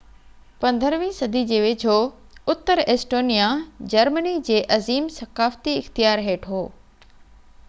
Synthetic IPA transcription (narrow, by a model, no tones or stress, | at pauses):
pɐ̃nd̪ʱəɾʋĩːsɐd̪ʱid͡ʑeːʋeːd͡ʑʰoːʊt̪ːəɾeːsʈoːnijad͡ʑɐɾmənid͡ʑeːʔɐziːmsɐxaːft̪iɪxt̪ijaːɾɦeːʈʰɦoː